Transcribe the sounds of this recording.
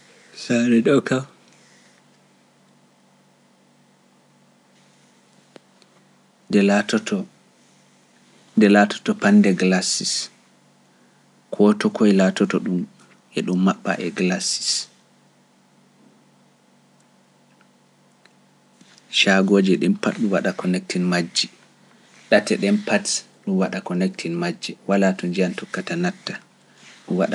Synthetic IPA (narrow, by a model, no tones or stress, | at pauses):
saɾɛɗɔkaw | dɛlatʰɔtʰɔ | dɛlatʰɔ̥tɔpandɛɡlasis | kʰɔtɔkʰɔɛlatɔtɔɗum | ʔɛɗumːaɓːa̰ʔɛɡlasi̥s | ʃaɡoːd͡ʒɛɗɛmpatɗumwaɗakɔnɛk̚tinmad͡ʒːi | ɗatɛɗɛmpat | ɗumwaɗakɔnɛk̚tʰinmad͡ʒːiwalatɔɲd͡ʒiantɔkːatanatːa | ɗuwaɗa